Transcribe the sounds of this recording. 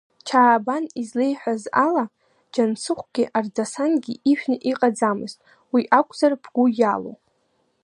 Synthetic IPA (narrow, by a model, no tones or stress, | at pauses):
t͡ʃʰaːbanizle̞jħʷᶣazala | d͡ʒansɨχʷɡ̥ʲiʔardasanɡʲiʔiʃᶣnɨʔiqʼad͡zamɨztʼ | wiʔakʷʼzarb̥ʰɡ̥ʷʊjalo̰